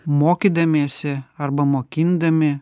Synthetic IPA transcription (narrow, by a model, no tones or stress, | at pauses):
moːkʲiːd̪ɐmʲeːsʲɪɐɾbɐmoːkʲɪnd̪ɐmʲɪ